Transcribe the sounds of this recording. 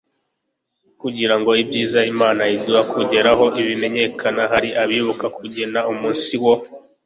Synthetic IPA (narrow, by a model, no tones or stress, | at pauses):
kuɟiɾaŋɡo̞ibɟiːzaimaːnaiziβakuɟe̞ɾaɦo̞ʔiβime̞ɲe̞kʰanaɦaɾiʔaβiβukakuɟe̞naumuːnsiwo̞